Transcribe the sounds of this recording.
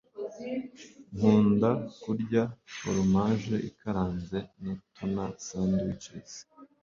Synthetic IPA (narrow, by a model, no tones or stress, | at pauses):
ŋ̥uːndakuɾɟafo̰ɾumaʒeʔikaɾaːnzenatʰunasanduit͡ʃɾezi̥